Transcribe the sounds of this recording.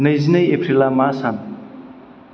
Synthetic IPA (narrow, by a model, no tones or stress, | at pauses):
nɐjzinajepʰɾilamasan